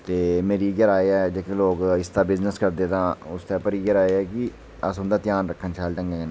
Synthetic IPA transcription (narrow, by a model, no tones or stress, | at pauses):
t̪eːmeːɾiːɡəɾaːeːɛːd͡ʒeːkẽːloːkɪst̪aːbɪznəskəɾd̪eːt̪ãːʊst̪aːpəɾiːɡəɾaːeːɛːkɪ | əsʊnd̪ãːt̪ɪjaːnɾəkʰːənt͡ʃʰaːlʈə̃ŋɡẽn